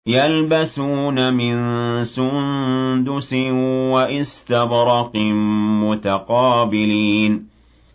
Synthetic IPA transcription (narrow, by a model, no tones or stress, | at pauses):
jalbasuːnamɪnsʊnd̪ʊsɪnwaʔɪst̪abɾˤɑqɪmmʊt̪aqɑːbɪliːn